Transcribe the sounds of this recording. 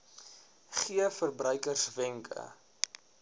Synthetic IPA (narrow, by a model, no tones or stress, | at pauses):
χiəfərbrœɥkərsvɛŋkʰə̰